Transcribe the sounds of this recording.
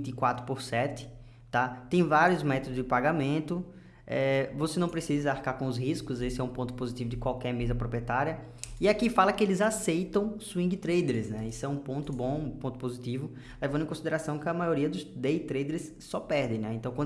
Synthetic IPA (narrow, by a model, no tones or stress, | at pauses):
t̪ikwat̪ɾʊpoɾsɛt̪ɪ̥ | t̪at̪ẽj̃vaɾiʊzmɛt̪od̪ʊzd͡ʒɪpaɡamẽnt̪ʊ | ɛvosenɐ̃w̃pɾesizɐaɾkaɾkõʊzhiskʊzesɪɛũpõnt̪ʊ̥pozit̪ivʊd̪ɪkwawkɛɾmezɐpɾopɾiɛt̪aɾiɐ | iakifalɐkɪelɪzasejt̪ɐ̃w̃suĩŋɡɪt̪ɾejd̪eɾsnɛisʊɛũpõnt̪ʊbõũpõnt̪ʊpozit̪ivʊ | levɐ̃d̪ẽkõsid̪eɾasɐ̃w̃kɪɐmajoɾiɐd̪ʊzd̪ejt̪ɾejd̪eɾs | sɔpɛɾd̪ẽj̃nɛẽnt̪ɐ̃w̃kwɐ̃